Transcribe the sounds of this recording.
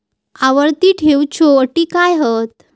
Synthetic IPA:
aʋəɾt̪iːʈʰewt͡ɕʰoəʈiːkajɦət̪̚

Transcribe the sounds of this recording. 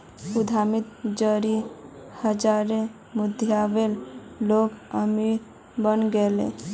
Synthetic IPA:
ud̪ʱamit̪d͡ʒəɾihəd͡ʒaɾe | mud̪ʱjaʋelloɡəmi | bənɡelḛ̃

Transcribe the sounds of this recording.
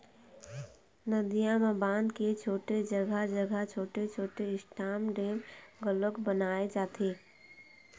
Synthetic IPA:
nəd̪ijamabaːnd̪ket͡ʃʰoːʈed͡ʒəɡʱəd͡ʒəɡʱət͡ʃʰoːʈet͡ʃʰoːʈeɪsʈʰaːmɖẽːnɡələkbənaːed͡ʒaːt̪ʰeː

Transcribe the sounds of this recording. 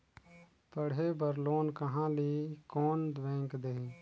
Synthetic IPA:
pəɽ̤ɦebəɾloːnkəɦãlikɔːnd̪ʋɛ̃ːŋkd̪ei

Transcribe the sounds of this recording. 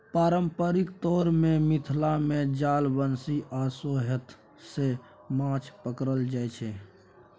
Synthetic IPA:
paːɾəmpəɾikt̪ɔɾmemit̪ʰlamed͡ʒalbənsiʔasoɦət̪ | se | mãt͡ʃʰpəkɾəld͡ʒajt͡ʃʰɛ

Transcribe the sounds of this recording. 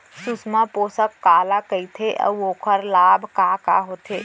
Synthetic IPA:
susmaposəkːalakəjt̪ʰeʔə̰uoːkʰəɾlabʱkaka̰ɦot̪ʰe

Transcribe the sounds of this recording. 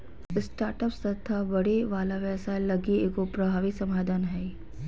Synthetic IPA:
ɪsʈaːɾʈəpst̪ɐt̪ʰabɐɽeʋaːlaʋɛːsaːjlɐɡieːkopɾɐbʱaːʋɪsɐmaːd̪ʱanɦɛ

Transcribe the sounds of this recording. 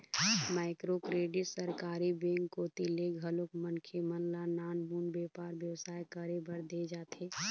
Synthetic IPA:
maːɪkɾokɾeːɖɪʈsəɾkaːɾibẽːŋkːoːt̪ileɡʱəlokmənkʰemənlanaːnbuːnbeːpaːɾbjəwsaːjkəɾebəɾd̪ed͡ʒaːt̪ʰe

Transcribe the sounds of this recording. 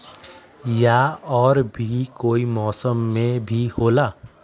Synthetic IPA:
jaɔːɾbʱikoːimɔːsəmːẽbʱihoːla

